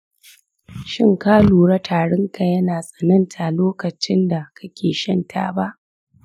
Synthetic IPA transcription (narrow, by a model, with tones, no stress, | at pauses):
ʃɪ˦ŋkaː˦luː˨ɽɐ˦tʰaː˨ɽɐ˦ŋka˨jɐ˦naː˨sʼɐ˨nɐ˦ntʰa˨loː˦kɐ˨t͡ʃɪ˦nda˨kʰɐ˦kʲʰeː˨ʃɐ˦ntʰa̰ː˦ba˦ʔ